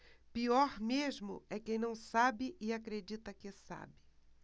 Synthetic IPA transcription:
piɔɾmeʒmʊ̰ɛkẽj̃nɐ̃w̃sabɪʔɪakɾed͡ʒit̪ɐkɪsa̰bɪ

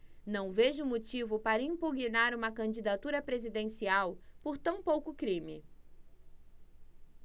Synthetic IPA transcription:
nɐ̃w̃veʒʊmot͡ʃivʊpaɾɐĩmpuɡinaɾũmɐkɐ̃d͡ʒid̪at̪uɾɐpɾezid̪ẽsiawpoɾt̪ɐ̃w̃powkʊkɾĩmɪ

